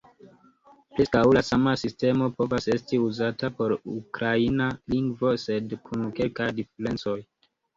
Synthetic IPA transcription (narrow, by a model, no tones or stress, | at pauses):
pɾeskawlasamasiste̞mo̞po̞vase̞stiuzatapo̞ɾukɾainaliŋɡvo̞se̞dkʰunke̞lkajdifeɾe̞nt͡so̞j